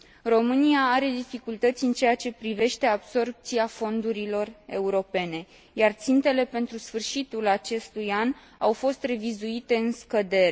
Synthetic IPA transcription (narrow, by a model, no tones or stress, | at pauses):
ro̞mɨniaaɾe̞d̪ifikult̪ət̪sʲɨnt͡ʃe̞jat͡ʃe̞pɾive̞ʃt̪e̞abso̞rp̚t̪siafo̞nd̪uɾilo̞re̞uɾo̞pe̞ne̞ | jart̪sint̪e̞le̞pe̞nt̪ɾusfɨrʃit̪ulat͡ʃe̞st̪ujan | awfo̞st̪re̞vizuit̪e̞ɨnskəd̪e̞ɾe